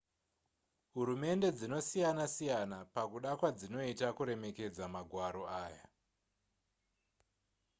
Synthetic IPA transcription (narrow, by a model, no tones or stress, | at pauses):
ɦuɾume̞nde̞d͡zino̞sijanasijanapakuɗakwad͡zino̞itakuɾe̞me̞ke̞d͡zamaɡʱwaɾo̞aːja̰